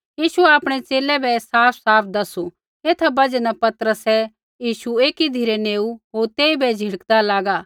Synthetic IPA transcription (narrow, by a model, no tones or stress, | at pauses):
jiːʃuɛaːpɽ̃ɛt͡ʃeːlɛbɛsaːpʰsaːpʰd̪ɐsu | eːt̪ʰabɐd͡ʒɛnapɐt̪ɾəsɛ | jiːʃueːkid̪ʱiɾeneːuɦoːɾt̪eːibɛd͡ʒʱɪɽəkd̪alaːɡaː